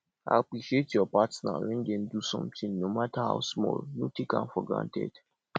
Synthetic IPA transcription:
a̰apɹiʃietjɔpatsna̰wɛ̃ndɛ̃ndusɔ̃mtʰĩŋnomataha̰ʊsmɔ̰lnotʰekã̰nfɔɡɹã̰ntɛ̰d̥

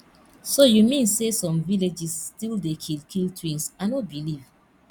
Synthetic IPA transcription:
sojumĩnsesɔ̃mviled͡ʒisstildekʰilkʰiltʰwĩnsanobiliv

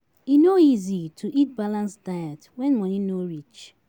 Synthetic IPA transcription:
inoizitʰuʔit̚balãnsdajatwɛ̃nmɔninoɾit͡ʃ

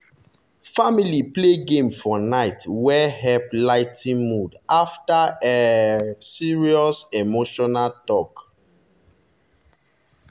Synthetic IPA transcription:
familipleɡẽmfɔnaɪtwɛɦɛplaɪtʰĩmudaftae | siɹiɔsemoʃɔnaltɔk

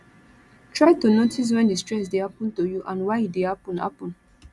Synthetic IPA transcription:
tʰɹajtunotis̬wɛ̃ndistɹɛs̬dehapɔ̃ntojuʔãnwaɪit̚dehapɔ̃nha̰pɔ̃n

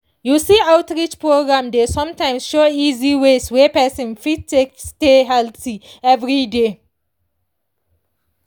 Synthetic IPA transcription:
jusiawtɹit͡ʃpʰɹoɡɹãmdesɔ̃mtãɪ̃msʃoiziweswɛpɛsɔ̃nfitteksteɦɛltiɛvɹide

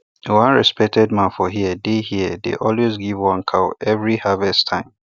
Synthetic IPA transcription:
wãnɹɛspɛk̚tʰɛd̚mãnfɔɦiədehiədḛʔɔlwezɡivwãnkʰaʊɛvɹihavɛstʰãɪ̃m

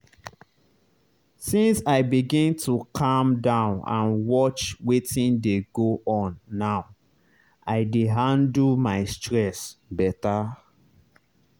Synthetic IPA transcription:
sĩnsaɪbiɡĩntʰukʰãmdãʊ̃nã̰nwɔt͡ʃwetĩndeɡoʔɔ̃nːaʊ | aɪdeɦãndmaɪstɹɛsbɛta

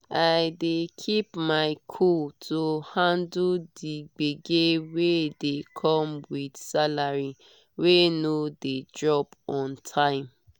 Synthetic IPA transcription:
aɪdekʰipmaɪkʰultʰohãnduldiɡ͡beɡewedekʰɔ̃mwidsalaɹi | wenodedɹɔbɔ̃ntʰãɪ̃m

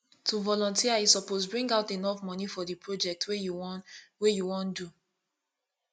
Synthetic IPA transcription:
tuvɔlɔ̃ntiaisɔposbɹĩŋɡaʊtenɔfmɔnifɔdipʰɹod͡ʒɛk̚twejuwejuwɔ̃ndu

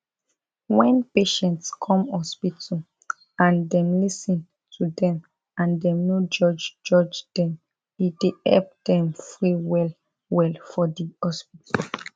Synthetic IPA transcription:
wɛ̃npeʃɛ̃ntskʰɔ̃mɔspitʰɔ | ãndɛ̃mlisĩn | tʰudɛ̃m | ãndɛ̃mnod͡ʒɔd͡ʒd͡ʒɔd͡ʒd̥ɛ̃m | id̥ehɛ̰lp̚d̥ɛ̃mfɹiwɛl | wɛlfɔdiɔspitʰa

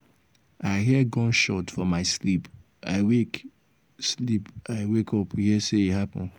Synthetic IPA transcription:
aɪɦiɡɔ̃nʃɔtfɔmaɪslip | a̰ɪwek | slipaɪwekʰɔphiseihapɔ̰̃n

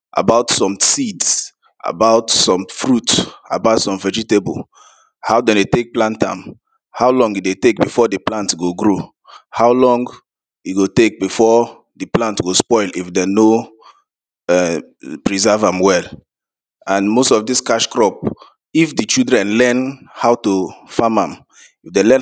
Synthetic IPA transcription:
ʔa̰baʊtsɔ̃msids | a̰baʊtsɔ̃mfɹuta̰baʊtsɔ̃ɱvɛd͡ʒitebo̰l | haʊdɛ̃ndetek̚plãntã̰m | haʊlɔ̃ŋɡidetek̚bifɔdɨplãntɡoɡɹo | haʊlɔ̃ŋɡ | iɡotek̚bifɔ | diplãntɡospɔɪlifdɛno | ɛ | pɹizɛvãmwɛl | ãnmostɔfdiskaʃkɹɔp̚ | ifdit͡ʃildɹɛ̃nlɛnhaʊtofamãm | ifdɛ̃lɛ

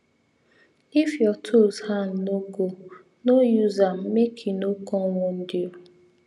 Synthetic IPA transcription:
ifjɔtʰoshannoɡo | nojuzam̩mekʰinokɔŋɔn̩dɪɔ

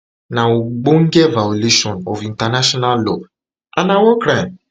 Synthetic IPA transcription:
naoɡ͡boŋ̩ɡevaoliʃɔnofin̩tanaʃɔnallo̰ | anawɔkɾam

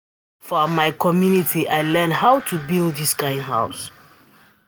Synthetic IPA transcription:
fɔmaɪkʰɔmjunitʰiʔajlɛnhawtʰubilˠdðiskãɪ̃nɦa̰ʊs

